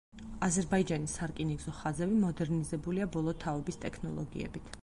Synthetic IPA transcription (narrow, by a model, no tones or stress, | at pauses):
azɛɾbaid͡ʒanisaɾkʼiniɡzɔχazɛbimɔd̪ɛɾnizɛbuliabɔlˠɔt̪ʰaɔbist̪ʼɛkʰnɔ̰lˠɔ̰ɡḭɛ̰bit̪ʰ